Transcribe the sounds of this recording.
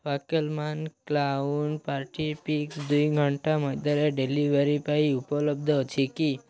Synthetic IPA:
ʋakəlmanklauɳpaɾʈipiksd̪ujɡʱəɳʈaməd̪əɾeɖeliʋəɾipaiupələb̚d̪ʱət͡ʃʰiki

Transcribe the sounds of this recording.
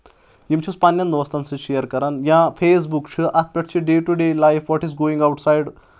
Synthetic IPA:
imt͡ʃʰuspanjɐnd̪ʋɐst̪ɐnsɨʃejɐɾkɐɾanjãpʰeːs̬bukt͡ʃʰɨʔɐt̪̚ʰpʲɐʈ̚t͡ʃʰiɖeːʈuɖeːlajfʰʋɔʈizɡoːĩŋɡawʈsajɖ

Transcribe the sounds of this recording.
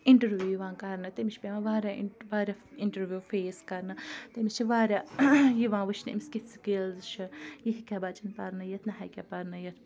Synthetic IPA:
iɳʈɐɾʋjuuːjiʋãːkɐɾnɨt̪emiʃʰpeʋãʋaːɾʲaʋaːɾʲaiɳʈəɾʋjuːfʰeːskɐɾnɨt̪emist͡ʃʰiʋaːɾʲaːjiʋãːʋɨt͡ʃʰnḛmiskit̪skilzt͡ʃʰijiɦikʲabat͡ʃɐnpɐɾnɨjɐt̪ʰnɐɦajkʲaːpɐɾnɐjɐt̪ʰ

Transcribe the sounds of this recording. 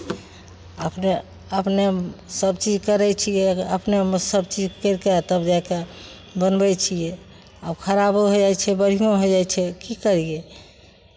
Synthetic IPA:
əpne | əpnesəbt͡ʃid͡ʒkəɾɛt͡ʃʰijɛəpnemsəbt͡ʃid͡ʒkəɾket̪əbd͡ʒake | bənbɛt͡ʃʰijɛ | abkʰəɾaboɦod͡ʒajt͡ʃʰɛbəɾ̤ijõɦod͡ʒajt͡ʃʰɛkikəɾije

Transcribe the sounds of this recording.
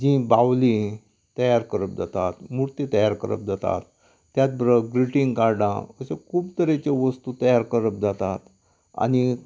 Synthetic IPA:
d͡ʑĩbawli | t̪əjaɾkəɾəp̚d͡zat̪at̪muɾt̪it̪əjaɾkəɾə̰p̚d͡zat̪a̰t̪ː | jat̪̚bəɾəɡɾiʈiŋɡkaɾɖã̰əsekʰuːpt̪əɾet͡ɕeʋəst̪ut̪əjaɾkəɾəp̚d͡zat̪at̪ | a̰ni

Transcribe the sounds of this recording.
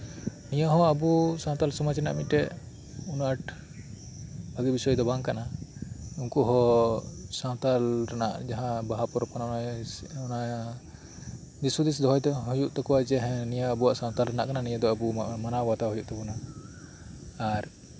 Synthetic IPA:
nijaɦɔ̃abusãwt̪alsɔmat͡ʃɛna̰ʔmit̪̚ɛ | unaʈ | baɡibisɔjd̪ɔbaŋkana | uŋkɔɦɔ | sãw̃t̪alɾana̰ʔd͡ʒaɦãbaɦapɔɾɔp̚kanaɔnaɔna | d̪isud̪is̬d̪ɔɦɔjd̪ɔɦujuʔt̪ɔkɔwad͡ʒɛɦɛ̃nijaːbuwaʔsãw̃t̪alɾana̰ʔkananijəd̪ɔabumanawat̪aɦɔjuʔt̪ɔkuna | ɾ

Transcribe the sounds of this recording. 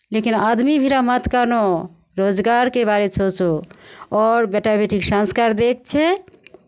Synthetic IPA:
lekinad̪mibʱiɾamət̪kano | ɾod͡ʒɡaɾkebaɾesʰot͡ʃoɔːɾbeʈabeʈiksãnskaɾd̪ek̚t͡ʃʰɛ

